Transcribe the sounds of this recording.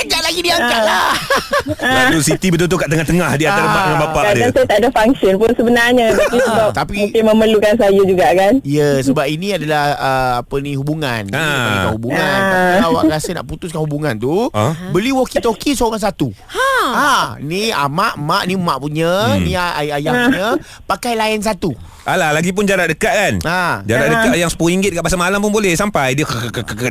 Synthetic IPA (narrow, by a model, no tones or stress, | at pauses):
kəɡaʔlaɡidiaŋkaʔla | ausit̪ibət̪ut̪̬okaʔt̪əŋaht̪əŋahdianaɾabbaʔ̪əŋabapaʔkaadansajat̪adafaŋksɔnpʊnsəbənarɲət̪apisəbap̚t̪apimũkɪməməlukans̬ajud͡ʒuɡakanijəsəbap̚inĩadalahəapənĩɦubuŋanakanhubuŋãnaawaʔkɾasəna̰ʔput̪us̬kanhubuŋant̪ubəliwokit̪okisoŋaŋs̬at̪uaania̰maʔmaʔnimãʔpuɲə̃niaaajaɲə | pakajlaɪns̬at̪u | ʔalahlaɡip̬ʊnd͡ʒaɾadəkaʔ̚kanad͡ʒaɾaʔ̚dəkajaŋsə̥puiŋɡɪt̪̚kaʔpasamalampʊnbolɛhsampajdiəkəkəkəkəkə